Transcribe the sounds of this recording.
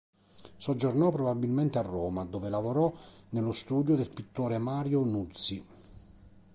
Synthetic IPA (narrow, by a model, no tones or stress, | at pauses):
sod͡ʒːornɔpːɾɔbabːilment̪earːoːmad̪oːvelavoɾɔnelʊst̪uːd̪jod̪elpit̪ːoːɾemaːɾjonut̪si